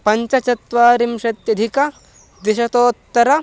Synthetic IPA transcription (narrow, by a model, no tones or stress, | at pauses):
pɐɲt͡ʃɐt͡ʃɐt̪ʋaːɾimʃɐt̪jɐd̪ʱikɐ | d̪iʃɐt̪oːt̪ːɐɾɐ